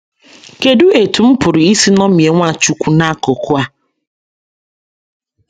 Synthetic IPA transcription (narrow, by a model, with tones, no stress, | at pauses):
ke˨du˦e˨tu˨m̩˦pʊ˨ɾi˨i˦si˦nɔ˦m˨e˨ŋʷa˦˨t͡ʃu˦kʷu˦na˦ko˨kʊ˦a˦